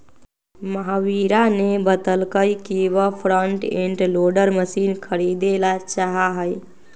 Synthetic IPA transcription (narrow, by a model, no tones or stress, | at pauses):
məɦawiɾanebət̪əlkəjkiʋəpʰɾəɳʈeɳʈloɖəɾməsinkʰəɾid̪elat͡ʃaɦaɦəj